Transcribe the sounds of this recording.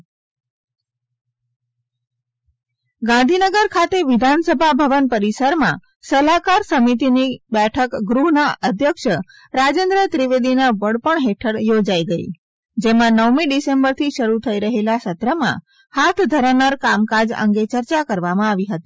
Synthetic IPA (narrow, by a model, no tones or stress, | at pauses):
ɡãnd̪ʱinəɡəɾkʰat̪eʋɪd̪ʱansəbʱabʱəʋənpəɾisəɾmã̰ | səlakaɾsəmit̪̬inibɛʈʰəkɡɾuɦnaʔəd̪ʱjəkʃə | ɾad͡ʒẽnd̪ɾət̪ɾiʋed̪inabəɽpəɳɦeʈʰəɽjod͡ʒaiɡəḭ | d͡ʒemãnəʋmiɖisembəɾt̪ʰiʃəɾut̪ʰəiɾəɦelasət̪ɾəmã̰ | hat̪ʰd̪ʱəɾanaɾkamkad͡ʒə̰̃ŋɡet͡ʃəɾt͡ʃakəɾʋamãaʋiɦət̪i̥